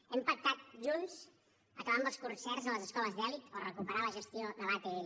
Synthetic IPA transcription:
ɛmpək̚t̪at̪̚ʒunz | əkəβamb̪əlˠskunsɛrzələzəskɔləzðɛlit̪ərəkupəɾaləʒəst̪ioðəlat̪e

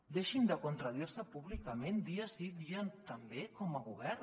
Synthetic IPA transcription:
d̪eʃind̪əkunt̪ɾəðiɾsəpuβlikəmend̪iəsiðiənt̪əmbekɔməɣuβɛɾ

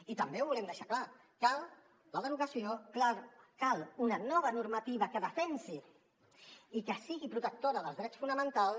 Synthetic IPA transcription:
it̪əmbewβulɛmd̪əʃakla | kalˠ | ləðəɾuɣəsiokakalˠunənɔβ̞ənuɾmət̪iβ̞əkəðəfɛnsi | ikəsiɣipɾut̪ək̚t̪oɾəðəlzðɾɛt͡sfunəmə̃nt̪alˠ

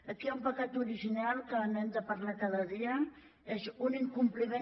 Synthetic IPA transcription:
əkiaumpəkat̪uɾiʒinalˠkənɛnzəpaɾlat̪əðəðiə | ezuniŋkumplime

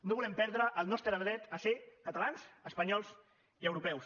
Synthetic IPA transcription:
noβulɛmpɛɾðɾəʔːlˠnɔst̪ɾəðɾɛt̪əsekət̪əlansəspəɲɔlˠz | iəwɾupɛws

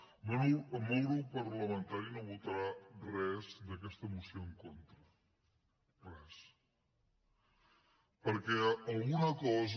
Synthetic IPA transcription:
monuəmowɾupəɾləmənt̪aɾinoβut̪əɾarɛzd̪əkɛst̪əmusioəŋkont̪ɾə | rɛs | pəɾkɛəlˠɣunəkɔz

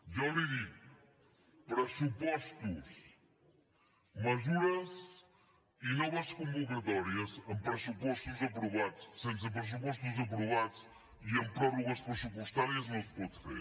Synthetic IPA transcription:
ʒaɾiðiɣ | pɾɐsupɔʃt̪uʃ | mɐʒuɾɐs | inɔβɐʃkõmbukɐt̪ɔɾiɐʃɐ̃mpɾɐsupɔʃt̪uzɐpɾuβaðuʃsẽnt̪sɐpɾɨs̬upɔʃ̬t̪uzɐp̬ɾuβaðuʃ | iɐ̃mpɾɔɾuɣɐʃpɾsupuʃt̪aɾjɐzmɐ̃spɔðfḛɾ

